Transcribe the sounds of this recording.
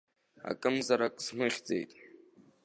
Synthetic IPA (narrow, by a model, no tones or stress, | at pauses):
a̰kʼɨmzaɾakʼsmɨχʲd͡ze̞̰jtʼ